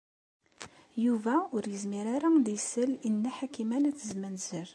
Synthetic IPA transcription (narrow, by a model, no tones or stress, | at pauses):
juvæʊɾjəzmiɾaɾad̪ijsəlinːæħakimænæt͡sːəzmənz̥əɾ